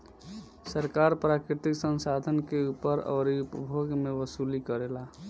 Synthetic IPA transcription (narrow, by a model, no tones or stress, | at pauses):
səɾkaɾpɾakɾit̪iksə̃nsad̪ʱənkeupəɾɔ̰ːɾiupbʱoɡmeʋəsulikəɾela